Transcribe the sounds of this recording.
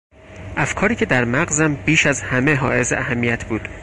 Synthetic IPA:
ʔæfkʰɒːɾiːcʰe̞d̪æɾmæɣzæmbiːʃæzhæme̞ɦɒ̰ːʔe̞zḛæhæmːijæt̪ʰbuːd̪̥

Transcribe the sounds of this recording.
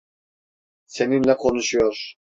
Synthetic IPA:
seninlɛkʰo̞nuʃujoɾ

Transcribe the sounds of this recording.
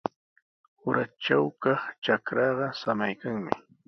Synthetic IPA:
ʊɾat͡ʃawkɑχt͡ʃakɾɑɢɑsamajkaŋmɪ

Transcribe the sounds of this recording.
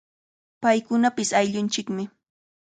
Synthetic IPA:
pajkʊnapɪsajʎʊnt͡ʃɪkmɪ

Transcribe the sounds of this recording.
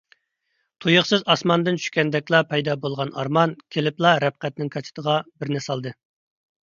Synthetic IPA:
t̪ʰujəχsɨzɑsmɑnd̪ɨnt͡ʃʰy̥ʃkʲɛnd̪ɛkʲlˠɑpʰɛjd̪ɑbolˠʁɑnʔɑ̰ɾmɑnkʲʰelɪplˠɑɾɛp̚qæt̪̚nɪŋkʰɑt͡ʃʰɪ̥t̪ʰəʁɑbɪɾnɨsɑlˠd̪ɨ

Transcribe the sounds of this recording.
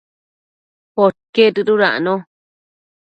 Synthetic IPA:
pot̚ket̪ɨɾuɾaʔnõ

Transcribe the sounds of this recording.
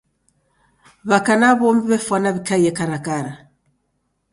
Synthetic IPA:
βakanaβɔmbiβɛfanaβikajɛkaɾakaɾa

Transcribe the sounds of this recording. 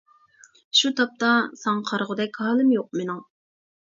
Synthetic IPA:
ʃut̪ʰɑp̚t̪ɑsɑŋqʰɑɾʁəd̪ɛkʲhɑːlˠɨmjoq̚menɪŋ

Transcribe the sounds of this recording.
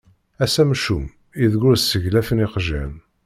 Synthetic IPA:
æsæmʃum | iðɡʊɾsəʝlæfənɪqʒæ̰n

